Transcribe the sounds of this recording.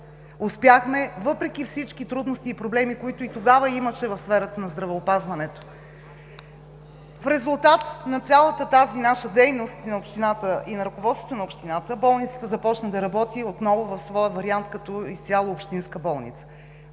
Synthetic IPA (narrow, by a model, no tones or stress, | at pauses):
ospjaxmɛvɤpɾɛk̟ifsit͡ʃk̟it̪ɾud̪nost̪iːpɾoblɛmikoit̪ʊit̪oɡavəiməʃɛvɐfsfɛɾət̪ənɐzd̪ɾɐvɛopazvɐnɛt̪o̥ | fɾɛzulˠt̪at̪nɐt̪sʲalˠət̪ət̪azinaʃəd̪ɛjnost̪nɐopʃt̪inat̪əʔinɐɾɐkovɔt̪st̪vot̪onɐopʃt̪inat̪əbɔlˠnit̪sə̥t̪əzɐpɔt͡ʃnəd̪ɐɾɐbɔt̪iot̪nɔvovɐfsvɔjəvɐɾiant̪kɐt̪ɔist̪ʲalˠəopʃt̪inskəbɔlˠnḭt̪sə̥